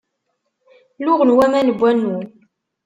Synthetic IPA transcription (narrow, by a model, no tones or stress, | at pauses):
lʊʁənwæmænəbʷːænːu